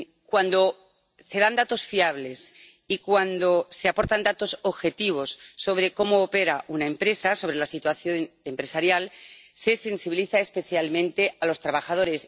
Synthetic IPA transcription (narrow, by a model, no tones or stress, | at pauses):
kwand̪o̞ | se̞ðand̪at̪o̞sfiaβle̞s | ikwand̪o̞se̞apo̞ɾt̪and̪at̪o̞soβxe̞t̪iβ̞o̞sːo̞βɾe̞ko̞moːpe̞ɾaʔunaempɾe̞saso̞βɾe̞lasit̪waθjo̞nempɾe̞saɾjalse̞se̞nsiβiliθaespe̞θjalmẽnt̪e̞alo̞st̪ɾaβaxað̞o̞ɾe̞s